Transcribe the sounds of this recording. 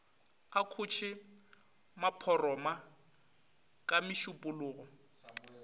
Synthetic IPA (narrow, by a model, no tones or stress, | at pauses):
akʰʊt͡ʃʰɪ | mapʰɔrɔma | kʼamɪʃʊpʼʊlʊːɣɔ